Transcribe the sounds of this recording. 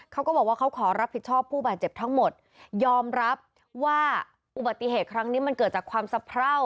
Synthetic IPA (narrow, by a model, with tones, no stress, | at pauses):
kʰa˦˥wkɔː˥˩bɔː˨˩k̚waː˥˩kʰwkʰɔː˩˦ɾa˦˥pʰːi˨˩t̪̚t͡ɕʰɔː˥˩pʰːuː˥˩baː˨˩t̪̚t͡ɕe˨˩p̚t̪ʰa˦˥ŋmo˨˩t̪̚ | jɔː˧mɾa˦˥p̚ | waː˥˩ | ʔu˨˩ba˨˩t̪ːi˨˩ɦeː˨˩t̪̚kʰɾa˦˥ŋniː˦˥ma˧nkɤː˨˩t̪̚t͡ɕaː˨˩kʰwaː˧msa˧˦pʰɾa˥˩w